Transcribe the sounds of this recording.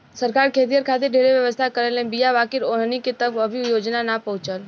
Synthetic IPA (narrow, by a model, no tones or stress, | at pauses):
səɾkaːɾkʰeːt̪̬ijəɾkʰat̪eɖʱeɾeʋjəʋəst̪ʰakəɾələ̃bijaʋakɪɾoɦniket̪əbəbʱijoːd͡ʒnanapəɦʊ̃t͡ʃəl